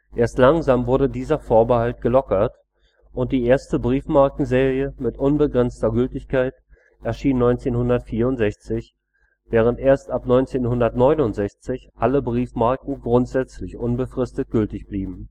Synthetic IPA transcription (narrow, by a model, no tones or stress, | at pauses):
ʔeːɐstlaŋzaːmvʊɐdədiːzɐfoːɐbəhaltɡ̥əlɔkɐt | ʔʊnt̚d̥iːʔeːɐstəbʁiːfmaɐkŋ̩zeːʁiəmɪtʔʊnbəɡʁɛnt͡stɐɡʏltɪçkʰaɪt | ʔɛɐʃiːnːɔʏnt͡seːnhʊndɐtfiːɐʊntz̥ɛçt͡sɪç | v̥ɛːʁ̞əntʔeːɐstʔapnɔʏnt͡seːnhʊndɐtnɔʏnʊntz̥ɛçt͡sɪçʔaləbʁiːfmaɐkŋ̩ɡʁʊntz̥ɛt͡slɪçʔʊnbəfʁ̥ɪstət̚ɡ̥ʏltɪçb̥liːbm̩